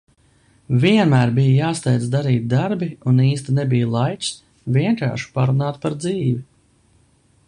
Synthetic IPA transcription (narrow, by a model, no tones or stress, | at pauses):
viɛnmæːɾbijjaːst̪ɛjd̪zd̪aɾiːt̪̚d̪aɾbiuniːst̪inɛbijlˠajt͡ʃ̪ | vʲiɛŋka̰ːɾʃu̥paɾunaːt̪paɾd̪ziːvi